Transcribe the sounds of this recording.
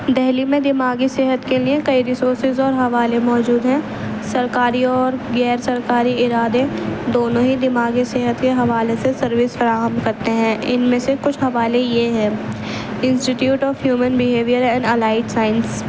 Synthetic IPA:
d̪ɛɦlimẽd̪ɪmaːɡiseːɦət̪keliekɐiɾɪsoːɾsɪzɔːɾɦɐʋaːlemɔːd͡ʒuːd̪ɦɛ̃ː | sɐɾkaːɾiɔːɾɡɛːɾsɐɾkaːɾiɪɾaːd̪ed̪oːnõɦid̪ɪmaːɡiseːɦət̪keɦɐʋaːlesesɐɾʋɪsfɐɾaːɦəmkɐɾt̪eɦɛ̃ːʔɪnmẽsekʊt͡ʃʰɦɐʋaːlejeɦɛ̃ː | ɪ̃nsʈiʈjuːʈɔːfɦjuːmənbɪɦeːʋijəɾɛ̃ːɳɖɐlaːɪʈsaːɪns

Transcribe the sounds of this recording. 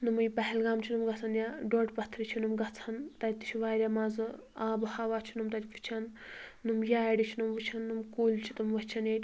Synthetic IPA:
nɨmɨjpɐɦɛlɡaːmt͡ʃʰinɨmɡɐt͡sʰɐnjaɖoʈpɐt̪ʰɾit͡ʃʰinɨmɡɐt͡sʰɐnt̪ɐtʲt̪i̥t͡ʃʰiʋaːɾʲamaːzɨ | aːbɨhaːʋaːt͡ʃʰinɨmt̪ɐt̪ʲpʰi̥t͡ʃʰɐnːɨmjaːɖit͡ʃʰinɨmʋɨt͡ʃʰɐnːɨmkoːlt͡ʃʰit̪ɨmʋɐt͡ʃʰɐnetʲ

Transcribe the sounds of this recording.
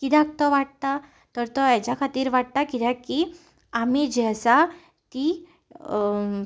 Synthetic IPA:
kid̪ak̚t̪ɔʋaʈ̚t̪a | t̪əɾt̪ɔat͡ɕjakʰat̪iːɾʋaʈ̚t̪akid̪ɛ̃ki | amid͡ʑɛsa | t̪i

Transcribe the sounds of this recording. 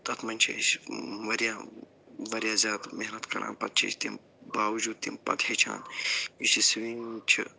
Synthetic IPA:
t̪ɐt̪ʰmɐnʲt͡ʃʰɐ̰sʋɐɾjaː | ʋɐɾjaːzʲjaːd̪meɦnɐt̪kɐɽʔa̰ːnpɐt̪̚t͡ʃʰḭʃt̪im | baːʋɐd͡ʒuːd̪̚t̪impɐ̰t̪het͡ʃʰa̰ːnisisʋiŋt͡ʃʰḭ

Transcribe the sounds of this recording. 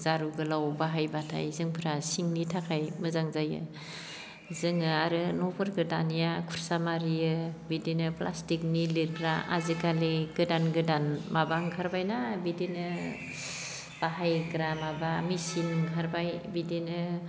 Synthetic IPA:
zaɾuɡɯlawbaɦajbatʰa̰jzɯŋpʰɯɾasiŋnitʰakʰajmɯzaŋzajɯ̰ | zɯŋɯaɾɯnɔbɯɾɡɯdanijakʰuɾsamaɾijɯbidenɯplʔa̰stik̚nilikɾaʔa̰zɯkaliɡɯdanɡɯdanmabaŋkʰaɾbajnabidenɯ | b̥aɦajɡɾamabamisiŋkʰaɾbajbidenɯ

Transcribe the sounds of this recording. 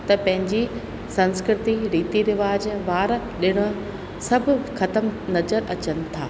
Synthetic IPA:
t̪ɐpɐ̃ɦɪ̃ɲd͡ʑi | sɐ̃nskɾɪt̪iɾiːt̪iɾɪʋaːd͡ʑʋaːɾ | ɗɪɽ̃ə | sɐbʱɪ̆xɐt̪əmnɐzəɾʔɐt͡ɕənɪ̆t̪ʰaː

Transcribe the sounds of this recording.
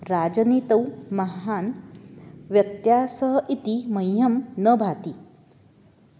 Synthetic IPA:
ɾaːd͡ʒɐniːt̪ɐwmɐɦaːn | ʋjɐt̪jaːsəɦʔit̪iməjɦɐmnəbʱaːt̪i

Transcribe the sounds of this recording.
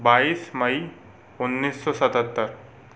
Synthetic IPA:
baːiːsmɐi | ʊnːiːsːɔsət̪ət̪ːəɾ

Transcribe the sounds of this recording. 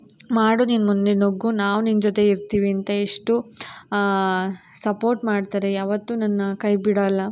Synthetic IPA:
maːɽuːninmund̪enoɡːunaːʋnind͡ʒot̪e̞iɾt̪iːʋiɐnt̪ɐeʂʈu | sɐpo̞ːɾʈmaːɽt̪aːɾejaːʋɐt̪ːuːnɐnːɐkɐjbiɽɐlːɐ

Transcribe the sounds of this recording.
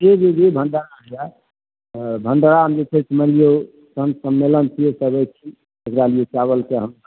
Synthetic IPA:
ed͡ʒed͡ʒebʱəɳɖaɾaɦja | bʱəɳɖaɽaɦəmd͡ʒet͡ʃʰesʰməlijo | sənsəmːelənt͡ʃʰiesəbət͡ʃʰi | d͡ʒəɡɾalijot͡ʃaβəlkeɦəm

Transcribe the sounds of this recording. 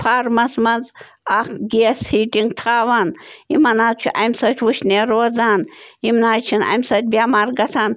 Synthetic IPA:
pʰaːɾmɐsmɐnz | akɡeːshiːʈiŋɡt̪ʰaːʋanimɐnaːt̪̚t͡ʃʰuʔɐmsɐt͡ʃʲʰwuʃneːɾoːzaːnimnaːt͡ʃʰinɐ̰msɐt̪̚ʲbʲjamaɾɡɐsʰaːn

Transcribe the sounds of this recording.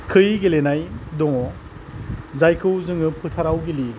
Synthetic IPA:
kʰɯjɡelenajdɔŋɔ | zajkʰɯwzɯŋɯpʰɯtʰaɾawɡeli

